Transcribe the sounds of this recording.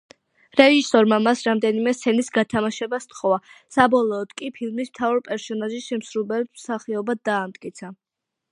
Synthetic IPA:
ɾɛʒisɔɾmamasɾamd̪ɛnimɛst̪sʰɛnisɡat̪ʰamaʃɛbast̪χɔvasabɔlˠɔːd̪̥kʼipʰilˠmismt̪ʰavaɾpʼɛɾsɔnaʒiʃɛmsɾubɛlt̪msaχiɔbad̪aːmt̪ʼkʼit̪sʰa

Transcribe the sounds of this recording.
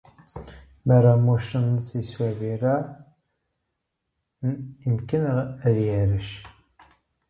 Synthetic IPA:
mæɾamuʃənsiswæviɾæ | imkənæðjæɾəʃ

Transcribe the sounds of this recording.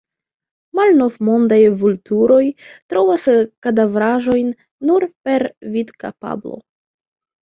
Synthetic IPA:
malno̞vmo̞ndajvultuɾo̞jtɾo̞vaskadavɾaʒo̞jnː | uɾpe̞ɾvitka̰pa̰blo̰

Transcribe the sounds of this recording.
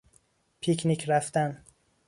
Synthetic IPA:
pʰicʰnikʰɾæft̪æn

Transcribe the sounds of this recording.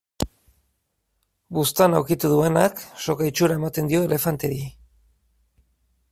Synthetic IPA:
bust̪anawkit̪uðue̞nakso̞kait͡ʃuɾae̞mat̪e̞nd̪io̞e̞le̞fant̪e̞ɾi

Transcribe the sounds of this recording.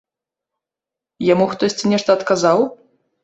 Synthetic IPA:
jamuxt̪ɔsʲt͡sʲinʲɛʂt̪ɐːt̪kazaw

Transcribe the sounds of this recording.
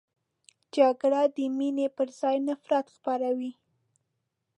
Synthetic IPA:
d͡ʒaɡɽad̪əminepəɾzɑjnafɾat̪xpaɾawi

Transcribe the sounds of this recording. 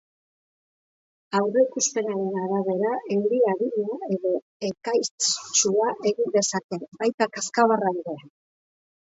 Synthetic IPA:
awre̞ikuspe̞naɾe̞naɾaβe̞ɾaʔe̞wɾiaɾiɲae̞ðo̞ | e̞kajt͡ʃuaʔe̞ɣind̪e̞sat̪e̞bajt̪akaskaβaraiðea

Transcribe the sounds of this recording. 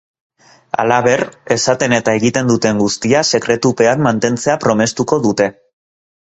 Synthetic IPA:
a̰laβe̞re̞sat̪e̞ne̞t̪ae̞ɣit̪e̞nd̪ut̪e̞ŋɡust̪iase̞kɾe̞t̪upe̞ammant̪e̞nt͡se̞apɾo̞me̞st̪uko̞ðut̪e̞

